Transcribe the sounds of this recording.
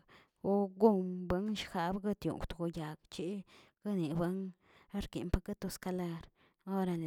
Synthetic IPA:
o˦ɡu˦mba˧˦ŋʃxa˧bɡa˦t̪jṵ˨ŋkʷt̪ɡo˧ja˨ɡt͡ʃi˦ɡ̥a˦ni˨ba˦ŋ | a˦ɾkḭ˨mpa˦ka˦t̪o˧ska˧la˧ɾ | o˦ɾa˧l

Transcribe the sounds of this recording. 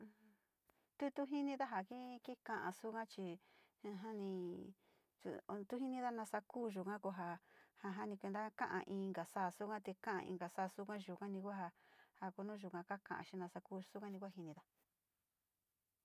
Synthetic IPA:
t̪u˦t̪u˦ɦi˦nĩ˧ða˦ɦa˨ki˦ki˦kã˧ʔã̰˧su˦kã˦t͡ʃi˧ | ɦa˦nĩ˧ | t̪ṵ˧t̪u˦ɦi˦nĩ˧ða˧nã˧sa˧kuː˦ʒu˨kã˦ko˧ɦa˧ha˧ɦa˦nĩ˧kʷe˧nd̪a˦kã̰˦ʔã̰˧ʔĩ˧ŋɡa˨saː˦˨su˦kã˦t̪e˧kã˦ʔã̰˧ʔḭ̃˧ŋɡa˨saː˦˨su˦kã˦ʒu˨kã˦nĩ˧kʷa˦ɦa˧ha˨ku˧nũ˦˧ʒu˨kã˧ka˦kã˨ʔã̰˧ʃi˧nã˧sa˧kuː˦˧su˦kã˦nĩ˧kʷa˦ɦi˧nĩ˧ða˧

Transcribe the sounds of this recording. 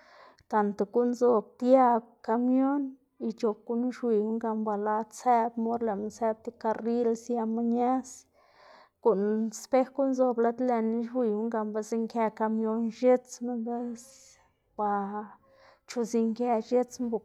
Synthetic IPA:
t̪a˨nt̪e˨ku˦nzo˧b̚t̪ja˦˧b̚ka˧mjo˦n | i˧t͡ʃo˨b̚ɡu˦nu˦ʃwi˧˨wu˦ŋɡa˧mba˨la˧t͡se˦bmo˦ɾle˨ma˧se˧b̚t̪i˧ka˧ɾi˦lsja˧ma˦ɲa˦s | ku˨ʔnspe˦xku˦nzo˧bla˧˦d̪le˧n˦ʃwi˧wu˦ŋɡa˧mba˧si˧ŋke˧ka˧mjo˦nʃe˦t͡sme˦be˦s | b̥a˧ | t͡ʃu˧zi˧ŋke˧ʃe˦t͡smbu˨

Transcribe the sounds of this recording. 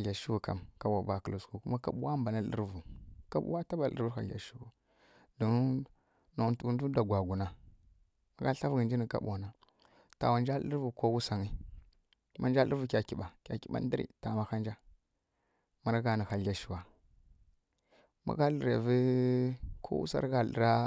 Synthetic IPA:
a˨ɮʲa˨ʃu˦wu˨ka̰˨mka˨wa˨ba˨kə˨u˨sku˨ku˦ma˦ka˦ɓu˦wa˦mba˨na˦lə̰˦ɾvu˨ka˦ɓṵ˦wa˦ta˦ba˨lə̰˦vu˦a˨lʲa̰˨ʃu˦wu˨ | du˨n˦ | no˨tu˦n˦u˦da˨ɡʷa˨ɡu˨na˦ | ma˨ɡa˦ɬa˦vɡə˨nd͡ʒi˦ni˨ka̰˦ɓu˨a˨na˨ | ta̰˨wa˨nd͡ʒa˦lə̰˦ɾvu˨ko˦wu˦sa˨ŋi˦ | mʔa˦nd͡ʒa˦lə̰˦vu˨˦kʲa˨ki˨ɓa˨kʲa̰˨ki˨ɓa̰˦n˦di˦ɾḭ˨ta˨ma˨xa˦nd͡ʒa˦ | ma˦˨ɾa˦ɡa˨ni˨xa˨ɮʲa˨ʃi˨wa˨ | ma̰˨ɡa˦lɾe˨vi˦ | kʰo̰˦wṵ˦sa̰˦ɾɡa˨lə̰˨ɾa˦

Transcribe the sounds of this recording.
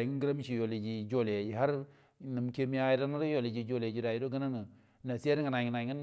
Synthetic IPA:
i˦ŋ˦ɡi˦ɾa˦m˦t͡ʃi˨jo˨li˨d͡ʒi˨d͡ʒo˦le˨d͡ʒi˨ɦa˦ɾ | nə˨mke˦mi˦a˦ɾa˦na˦ɾo˦jo˨li˨d͡ʒi˨d͡ʒo˦ld͡ʒi˦ɾa˨ji˦ɾo˦ɡə˦na˦ŋə˨ | na˨si˦e˦ɾi˦ŋə˨na˨ŋ˨na˨˦ə˦n

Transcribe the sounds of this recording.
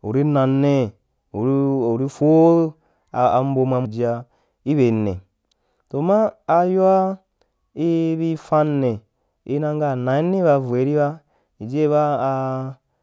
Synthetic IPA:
ṵ˨ɾi˦na˧nːe˦ | u˨ɾu˨ɾi˦fo˦ | a˨a̰˨m̩˦bo˧ma˧mu˨d͡ʒi˨˦a˧ | i˦βe˨nːḛ˨ | to˨maː˦˧ju˦a˦ | i˦βi˦fa˧nːe˨ | i˦nã˧ŋɡa˦˨na˨i˦ne˦βa˧vu˨e˨˦ɾi˦βa˦ | i˨d͡ʒe˦βaː˦˧

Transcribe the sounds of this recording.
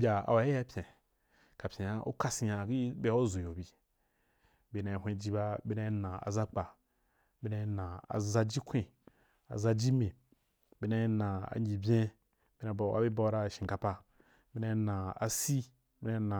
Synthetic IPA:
bʲa˨a̰˨wa˨e˦a˦pʲʰẽ˨ | ka˨pʲẽ˨ja˨ṵ˦ka˦si˨ja˨ɡi˦be˦o˦zo˨jo˨bi˨ | be˨na˨hʷẽ˦d͡ʒi˦ba˦bi˦na˦nã˨a̰˨za˦k͡pa˨ | bi˦na˧˦nã˨a̰˨za˦d͡ʒi˦kʰʷĩ˦ | a̰˨za˦d͡ʒi˦me˨ | bi˦na˧˦na˨a̰˨ɲi˨bʲẽ˦ | b̥i˦na˨ba̰˦bi˦ba˦ɾa˦˨ʃĩ˨ŋ˨ka˨pa˦ | bi˦na˧˦nã˨a̰˨si˦ | bi˦na˦na˨

